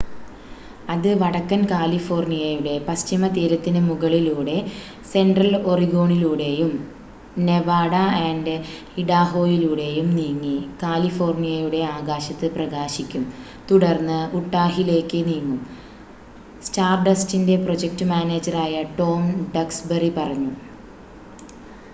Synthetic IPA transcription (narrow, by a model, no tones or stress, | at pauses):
ɐðɨʋɐɽɐkːɐnkaːlifo̞ːrnijɐjuɽe̞pɐst͡ɕimɐt̪iːɾɐt̪ːinɨmuɣɐɭiluːɽe̞ | se̞nɖrɐlo̞riɡo̞ːɳiluːɽe̞jum | ne̞ʋaːɽɐenɖ | iɽaːɦo̞ːjiluːɽe̞jumniːŋːikaːlifo̞ːrnijɐjuɽe̞aːɡaːɕɐt̪ːɨprɐɣaːɕikʲːum | t̪uɽɐrnːɨuʈːaːɦile̞ːkːɨniːŋːu | staːrɖɐstinde̞pro̞d͡ʑek̚ʈɨmaːne̞ːd͡ʑɐraːjɐʈo̞ːmɖɐksberipɐrɐɲːu